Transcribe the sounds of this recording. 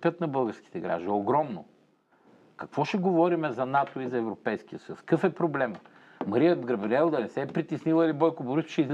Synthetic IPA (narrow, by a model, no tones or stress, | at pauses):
pʲət̪nɐbɤlˠɡəɾski̥t̪ɛɡɾa̰ʒd̪oɡɾɔmno̰ | kɐkvɔʃɛɡovɔɾimɛzɐnat̪oizɐɛvɾopɛjsk̟ijəsəjuskɤfɛpɾoblɛmə | mɐɾijəd̪ɡɾɐbɾiɛlˠd̪ɐnɛsɛːpɾit̪isnilˠəilibɔjkʊbʊɾusʃɛiz